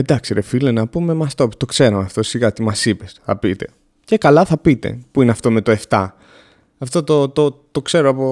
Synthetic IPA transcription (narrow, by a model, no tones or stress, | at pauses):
ed̪ɐksiɾefilenɐpume̞mɐst̪o̞pi̥t̪o̞kse̞ɾomeɐft̪o̞siɣɐt̪imɐsipesθɐ̰pit̪e̞ | ce̞kɐlɐθɐpit̪e̞̰puineɐft̪o̞me̞t̪o̞e̞ft̪ɐ | ɐft̪o̞t̪ot̪ot̪okse̞ɾoɐpo